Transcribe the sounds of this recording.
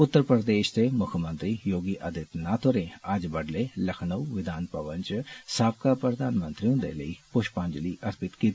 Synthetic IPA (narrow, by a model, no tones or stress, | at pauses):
ʊt̪ːəɾpɾəd̪eːʃd̪eːmʊkʰəmə̃nt̪ɾiːjoːɡiːʔəd̪ɪt̪nat̪ʰoɾẽːəd͡ʒbəɖleːləkʰnəuʋɪd̪aːnpəʋənt͡ʃsaːp̚kapɾəd̪aːnmənt̪ɾiːʊ̃nd̪ḛːləiːpʊʃpãɲd͡ʒliːʔəɾpɪt̪kiːt̪ː